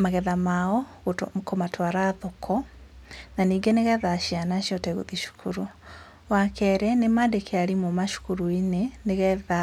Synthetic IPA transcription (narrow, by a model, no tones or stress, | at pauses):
maɣɛðamaɔɣukomatʰwaɾaðokʰɔ | naniːɡɛneɣɛðaʃianaʃiɔtɛɣṵðiʃu̥kʰuɾu | wakɛɾɛnemadekʰealimomaʃu̥kuɾuineneɣɛða